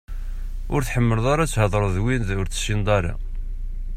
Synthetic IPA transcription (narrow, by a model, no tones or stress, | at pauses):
ʊɾθħəmːəlðˤaɾɑt͡sːhəðˤɾˤəðwinðʊɾt͡sə̥ʃind̪ˤɑɾˤɑ̰